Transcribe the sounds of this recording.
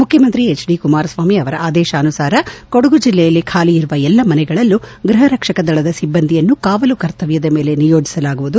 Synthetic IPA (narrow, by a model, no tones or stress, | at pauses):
mukʰjɐmɐnt̪ɾiet͡ʃɖikumaːɾɐsʋaːmiɐʋɐɾɐaːd̪ɛːʃɐːnusaːɾɐkoɽuɡud͡ʒilːɛjɐlːikʰaːliiɾuʋɐɛlːɐmɐnɛɡɐɭɐlːuɡɾɐɦɐɾɐkʂɐkɐd̪ɐɭɐd̪ɐsibːɐnd̪ʱijɐnːukaːʋɐlukɐɾt̪ɐʋjɐd̪ɐmeːle̞nijoːd͡ʒisɐlaːɡuʋud̪u